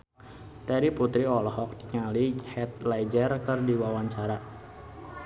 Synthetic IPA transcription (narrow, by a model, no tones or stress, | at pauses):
t̪ɛɾiput̪ɾiɔlhɔk̚diŋalihɛt̪̚lajd͡ʒərkərdiwawaɲt͡ʃaɾa